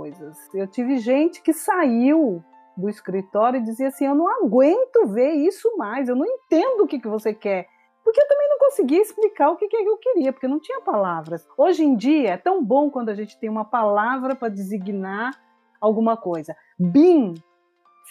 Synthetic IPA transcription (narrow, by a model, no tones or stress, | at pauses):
ojzɐsewt͡ʃivɪʒẽnt͡ʃɪ̥kɪsaiw | d̪ʊɪskɾit̪ɔɾjʊɪd͡ʒiziɐasĩewnɐ̃w̃aɡwẽnt̪ʊveɾisʊmajzewnɐ̃w̃ẽnt̪ẽnd̪ʊʊkɪkɪvosekɛɾ | pʊɾkeewt̪ɐ̃mẽj̃nɐ̃w̃kõsɪɡiɐɪsplikaɾʊkekɪɛkɪewkɪɾiɐpoɾkenɐ̃w̃t͡ʃĩɲɐpalavɾɐsoʒẽd͡ʒiɐɛt̪ɐ̃w̃bõkwɐ̃nd̪ʊaʒẽnt͡ʃɪ̥t̪ẽj̃ũmɐpalavɾɐpɾɐd͡ʒɪziɡinaɾ | awɡũmɐkojzɐ | bĩ